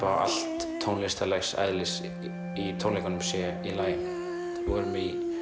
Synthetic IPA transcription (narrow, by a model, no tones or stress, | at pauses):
a̰ʔa̰l̥t̪ʰːownlɪst̪alɛxsa̰jðlɪs | it̪ʰownlejkanʏmsjɛilaːjɪn | vɔɾmi